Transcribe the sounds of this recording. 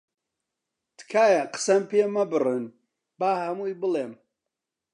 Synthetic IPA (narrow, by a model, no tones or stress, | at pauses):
t̪kʰaːjɐqə̥sɐmpemɐbɨrɨn | baːhɐmujbɨleːm